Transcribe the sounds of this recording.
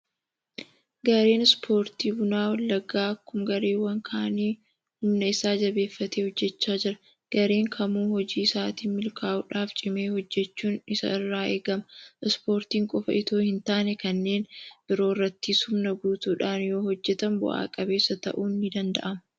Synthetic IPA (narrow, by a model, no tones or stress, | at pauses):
ɡɐɾe̞ːnɪspʰo̞ːɾt̪iːbʊnaːwɐlːɐɡaːɐkːʊmɡɐɾe̞ːwːɐŋkʰaːniː | hʊmnɐɪsaːd͡ʒɐbe̞ːfːɐt̪eːhɔd͡ʒːɛt͡ʃːaːd͡ʒɪɾɐ̥ | ɡ̥ɐɾe̞ːŋkʰɐmuːhɔd͡ʒiːɪsaːt̪iːmɪlkʰaːʔʊᶑaːft͡ʃʼɪmeːhɔd͡ʒːɛt͡ʃːuːnɪsɐ̰ɪrːaːeːɡɐmɐɪspo̞ːɾt̪iːŋkʼɔfɐʔɪt̪oːhɪnt̪aːnɛkɐnːe̞ːnb̥ɪɾo̞ːrːɐt̪ːishʊmnɐɡuːt̪uːᶑaːnjo̞ːhɔd͡ʒːɛt̪ɐmbʊ̰ʔa̰ːkʼɐbe̞ːsːɐt̪ɐ̰ʔuːnːɪd̪ɐnd̪ɐ̰ʔɐmɐ